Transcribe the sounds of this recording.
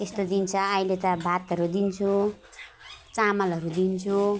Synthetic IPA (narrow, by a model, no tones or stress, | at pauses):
est̪od̪int͡sʰʌːilet̪ʌbʱat̪ʌɾud̪int͡sʰu | t͡samʌlʌɾud̪int͡sʰu